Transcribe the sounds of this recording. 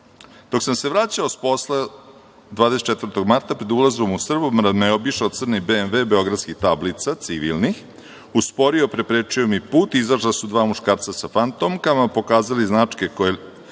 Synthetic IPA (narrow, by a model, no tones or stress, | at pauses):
d̪̥o̞ksamse̞ʋɾat͡ɕaosposle | d̪ʋaːd̪esett͡ʃet̪vr̩t̪o̞ɡmaɾt̪apɾed̪ulˠazbomusr̩bumɾaneobiʃaot̪sr̩nibenʋeːbeo̞ɡɾad̪skixt̪ablit̪sat̪siʋḭlnix | uspo̞ɾio̞pɾe̞pɾet͡ʂio̞mipuːt̪izaʃlasud̪ʋaːmuʃkaːɾt̪sasafant̪omkamapo̞kaːzaliznat͡ʂkekoje